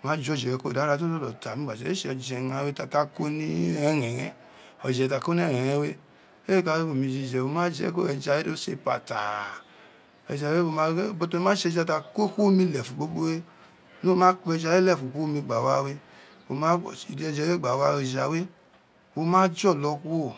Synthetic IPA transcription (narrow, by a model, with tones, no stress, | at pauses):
o˨mã˦d͡ʒɔ˧˦˨d͡ʒɛ˨ɡɛ˧˦ko˦˨da˨˦ɾa˧˦to˦to˦lɔ˨ta˨mĩ˦ɡ͡ba˨d͡ʒɛ˧˨e˦ʃɛ˧ɔ˧d͡ʒɛ˧˨ã˧˦we˦ta˧ka˦ko˦nĩ˦ɛ̃˦˧ɾɛ̃˨ɾɛ̃˧ | ɔ˨d͡ʒɛ˨ta˧˨ko˦n˦ɛ˦˨ɾɛ̃˨ɛ̃˧˦we˦ | e˦ka˧˦o˨mĩ˧˨d͡ʒi˧˨d͡ʒɛ˨wo˧˦mã˦d͡ʒɛ̰˧˦ko˦ɛ˧d͡ʒa˧e˦do˦sḛ˧˨pa̰˨ta̰˨ | ɛ̰˨d͡ʒa˨˦we˦wo˧ma˦bo˧to˧˦ĩ˧˦mãː˦ʃɛ˧d͡ʒa˧ta˧ko˦ko˦mĩ˧lɛ˨fu˨ɡ͡bo˦ɡ͡bo˦we˦ | nu˦o˦mãː˦k͡pɛ˧d͡ʒa˧˦e˦lɛ˦˨fu˨ko˦o˦mĩ˧ɡ͡ba˨wa˦we˦ | wo˧mã˦˨i˨dɛ˧˨d͡ʒɛ˧˨˦e˦ɡ͡ba˨wa˧˦e˧d͡ʒa˧˨we˦ | wo˧mãː˦d͡ʒɔ˦˨lɔ˧ku˦wo˦˨